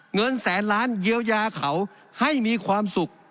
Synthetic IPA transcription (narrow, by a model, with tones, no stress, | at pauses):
ŋɤ˧nsɛː˩˦nlaː˦˥nji˧əwjaː˧kʰa˩˦w | ha˥˩jmiː˧kʰwaː˧msu˨˩k̚